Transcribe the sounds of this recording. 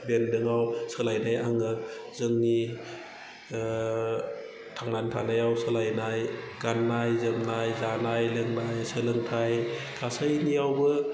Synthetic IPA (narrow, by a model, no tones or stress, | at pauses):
bendɯŋawsɯlajnajaŋɯ | zɯŋni | tʰaŋnantʰanajawsɯlajnaj | ɡ̥anːajzɯmnajzanajlɯŋnajsɯlɯŋtʰajkʰasajnijawbɯ